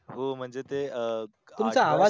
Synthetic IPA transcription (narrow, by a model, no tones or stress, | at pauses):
ɦom̤əɳd͡zet̪e | t̪umt͡saːʋa